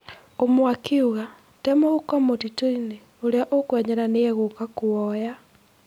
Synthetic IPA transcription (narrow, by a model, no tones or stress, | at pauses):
omwakiuɣa | temoɣukamotitoine | oɾeaʔokwɛɲɛɾaneeɣokakuɔja